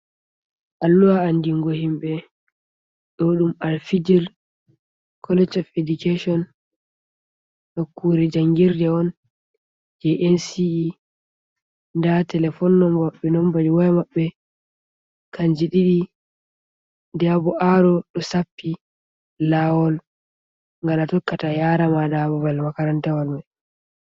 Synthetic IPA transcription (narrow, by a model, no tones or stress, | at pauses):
ʔalːuwaːndiŋɡohimɓɛ | ɗɔɗumalfid͡ʒiɾ | kʰɔlɛd͡ʒɔfɛdikaʃɔn | ɗɔkːuːɾɛd͡ʒaŋɡiɾdɛɔn | d͡ʒɛʔɛnsii | ndatɛlɛfɔnːɔmbaɓːɛnɔmbad͡ʒiwɔjmaɓːɛ | kaɲd͡ʒiɗiɗi | dɛabɔʔaɾɔɗɔsapːi | lawɔl | ŋɡalatɔkːatajaɾamadababalmakaɾantɛwɔlmaj